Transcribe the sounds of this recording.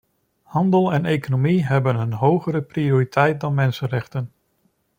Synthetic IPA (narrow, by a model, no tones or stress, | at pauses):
hɑndəlˠɛnejkonomiɦɛbənɦənɦowχəɾəprioːritʰɛjt̚dɑnmɛnsənrɛχtən